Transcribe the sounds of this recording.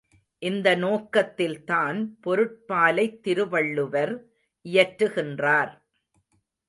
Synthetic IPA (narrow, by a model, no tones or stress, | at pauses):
ʔɪnd̪ɐnoːkɐt̪ːɪlt̪aːnpɔɾɯʈ̚paːlɐɪt̪ːɪɾɯʋɐɭːɯʋɐɾ | ʔɪjɐʈɾɯɣɪndraːɾ